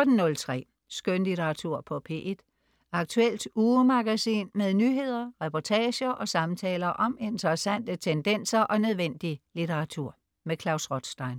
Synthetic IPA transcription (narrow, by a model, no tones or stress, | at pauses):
ɒd̥n̩nːɔ̽lt͡sʰʁɛ̰ː | sɡ̥ønlit͡sʰeʁɑt͡sʰuɐ̰pʰɒ̽pʰe̝̰ʔe̝d̥ | ɑ̈ɡ̥̚t͡sʰuel̰d̥uːmɑ̈ɡ̥æsḭːnmeðˠnyɦe̝ð̞̰ˠɐʁɛpʰɒt͡sʰɛːɕɐʔɒ̽sɑ̈mt͡sʰɛːlɐʔɒ̽me̝nd̥ʁəsæn̰d̥ət͡sʰend̥en̰sɐʔɒ̽nøð̞ˠʋen̰d̥ilit͡sʰeʁɑ̈t͡sʰuɐ̰ | mekʰlɑ̈ʊsʁɔd̥sd̥ɑ̈ɪ̰n